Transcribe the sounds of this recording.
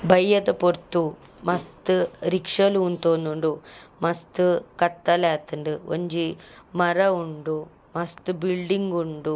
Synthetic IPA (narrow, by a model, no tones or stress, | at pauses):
bʱɐjːɐd̪ɐpoɾt̪ːu | mɐst̪ɨɾikʂɐlunt̪oːnːuɳɖumɐst̪ɨkɐt̪ːɐlaːt̪ːɨɳɖɨo̰ɲd͡ʒimɐɾɐuɳɖu | mɐst̪ɨbiɭɖiŋɡuɳɖu